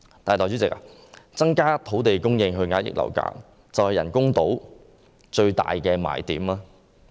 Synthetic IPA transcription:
t̪aː˨jt̪ɔː˨˩yː˨˥t͡sɪ˨k̚a˧ | t͡sɐ˥ŋkaː˥t̪ʰo˨˥wt̪e˨jkʊ˥ŋjɪ˧ŋɦɵ˧ɥŋaː˨˥jɪ̰˨k̚lʔɐ̰˨˩wka̰ː˧˥k̚ | t͡sɐ˨whɐ˨˩jɐ̰˨˩nkʊ˥ŋt̪o˨˥w | t͡ʃɵ˧ɥt̪a̰ː˨jkɛː˧ma̰ː˨˩jt̪iː˨˥maː˧˥

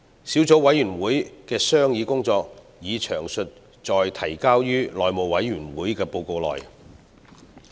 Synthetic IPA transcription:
siː˨˥wt͡so˨˥wɐ˨˥jyː˨˩nwuː˨˥jkɛː˧sœː˥ŋjiː˨˧kʊ˥ŋt͡sɔː˧k̚ | jiː˨˧t͡ʃʰœː˨˩ŋsɵ˨t̚ | t͡ʃɔː˨˧jt̪ʰɐ˨˩jkaː˥wjyː˥lɔː˨jmo˨wɐ˨˥jːyː˨˩nwuː˨˥jkɛː˧po˧wko˧wlɔ̰ː˨j

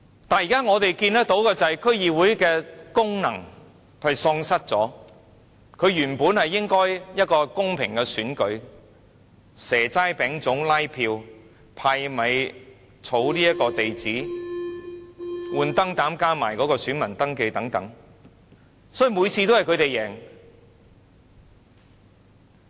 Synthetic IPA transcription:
t̪aː˨njiː˨kaː˥ŋɔː˨˧t̪e˨jkiː˧nt̪ɐ˥t̪o˨˥wkɛ˧t͡sɐ˨hɐ˨˩jkʰɵ˥ɥjiː˨˧wuː˨˥jkɛː˧kʊ˥ŋnɐ̰˨˩ŋ | hɐ˨˧jsɔː˧ŋsɐ˥t̚t͡sɔː˨˥ | kʰɵ˨˧ɥjyː˨˩npuː˨˥nhɐ˨jːɪ˥ŋkɔː˥jjɐ˥t̚kɔː˧kʊ˥ŋpʰɪ̰˨˩ŋkɛː˧syː˨˥nkɵ˨˧˥ɥ | sɛː˨˩t͡saː˥jpɛː˨˥ŋt͡sʊ˨˥ŋlɐ˥jpʰiː˧w | pʰaː˧jmɐ˨˧j | t͡sʰo˨˥wliː˥jɐ˥t̚kɔː˧t̪e˨jt͡siː˨˥ | wuː˨˧nt̪ɐ˥ŋt̪aː˨˥mkaː˥maː˨˩jkɔː˨˥kɔː˧syː˨˥nmɐ˨˩nt̪ɐ˥ŋke˧t̪ɐ˨˥ŋt̪ɐ˨˥ŋ | sɔː˨˥ji˨˧muː˨˧jt͡sʰiː˧t̪o˥whɐ˨jkʰɵ˧ɥt̪e˨jːɛː˨˩ŋ

